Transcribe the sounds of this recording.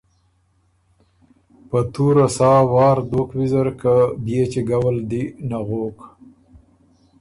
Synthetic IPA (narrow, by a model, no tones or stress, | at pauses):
pət̪uɾasɑːwɑːɾd̪okwizaɾkabjet͡ʃeɡawald̪inaɣoːk